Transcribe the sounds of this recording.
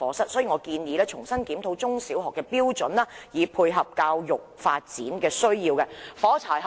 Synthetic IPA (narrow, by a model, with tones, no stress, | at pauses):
ɔː˨˥sɐ˥t̚sɔː˨˥jiː˨˧ŋɔː˨˧kiː˧nji˨˧lɛː˥t͡sʰʊ˨˩ŋsɐ˥nkiː˨˥mt̪ʰo˧wt͡sʊ˥ŋsiː˨˥wɦɔː˨˩kːɛː˧piː˥wt͡sɵ˨˥nlɐː˥jiː˨˧pʰuː˧jɦɐ˨p̚kaː˧wjʊ˨k̚faː˧t̚t͡sḭː˨˥nkɛː˧sɵ˥ɥjiː˧wkɛ˧fɔː˨˥t͡sʰa̰ː˨˩jɦ